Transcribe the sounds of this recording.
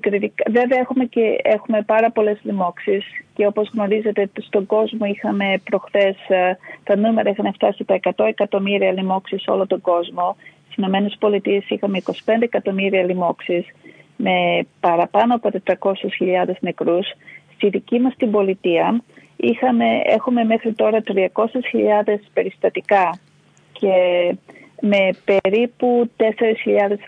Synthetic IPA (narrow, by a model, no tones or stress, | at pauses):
kɾit̪ikɐve̞veɐexume̞ceexume̞pɐɾɐpo̞le̞zlimo̞ksisce̞o̞po̞zɣno̞ɾize̞t̪est̪o̞ɡo̞zmo̞ixɐme̞pɾo̞xθe̞st̪ɐnume̞ɾɐixɐneft̪ɐsit̪ɐekɐt̪o̞e̞kɐt̪o̞miɾiɐlimo̞ksiso̞̰lot̪o̞ŋɡo̞zmo̞t̪i̥sino̞me̞ne̞spo̞lit̪ie̞sixɐme̞iko̞si̥pe̞nd̪eekɐt̪o̞miɾiɐlimo̞ksisme̞pɐɾɐpɐnoɐpo̞t̪e̞t̪ɾɐko̞sesçiʎɐðe̞zne̞kɾusst̪iðicimɐst̪imbo̞lit̪iɐ | ixɐme̞e̞̰xume̞me̞xɾit̪o̞ɾɐt̪ɾiɐko̞sesçiʎɐðe̞spe̞ɾist̪ɐt̪ikɐ | ce | me̞pe̞ɾiput̪e̞se̞ɾesçiʎɐðe̞s